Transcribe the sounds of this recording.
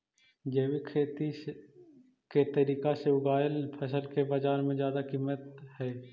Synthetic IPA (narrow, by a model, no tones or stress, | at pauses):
d͡ʒewikʰeːt̪i | ket̪əɾiːkaseʊɡaːjəlpʰəsəlkebɐd͡ʒaːɾmẽzjaːd̪akiːmət̪hɛː